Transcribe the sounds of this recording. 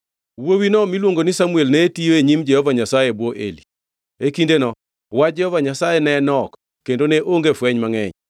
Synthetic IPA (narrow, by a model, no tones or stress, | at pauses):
wowinɔmilwoŋɡonɪsamuelnetijoeɲimd͡ʒɛhɔvaɲasajebwɔʔḛli | ekindenɔ | wad͡ʒɛhɔvaɲasajɛnɛnɔk | kːendoneʔoŋɡefwɛɲmaŋɛ̰ɲ